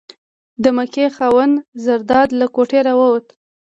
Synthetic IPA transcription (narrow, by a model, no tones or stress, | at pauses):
d̪əməkexɑwənzaɾd̪ɑd̪lakoʈeɾawəwət̪